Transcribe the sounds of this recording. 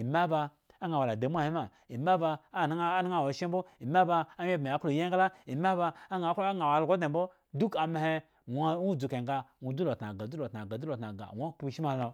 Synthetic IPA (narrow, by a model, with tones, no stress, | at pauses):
i˨ma˦ba˧ | a˦ŋɡa˨wa˨la˨da˨˦mʷ˦a˦˨he˦ma˨ | i˨ma˦ba˧˦˨n˦a˦na˦ŋa˦˨wo˨ʃe˦m˦bo˦i˨ma˦ba˧a˦ɲe˦be˨a˨˦ko˨je˦ɡa˦la˦i˨ma˦ba˧a˦ŋa˨˦kla˦ŋa˨wa˨lɡʷo˦de˨˦bo˦ | du˦ka˨m˨he˦ | wu˦˨d͡zu˨ke˨ŋɡa˧ŋʷu˨du˦lo˨tna˨ɡa˨u˦lo˨tna˨ɡa˨du˦lo˨tna˨ɡa̰˨wo˦k͡pu˦˨ʃi˦ma˨o˨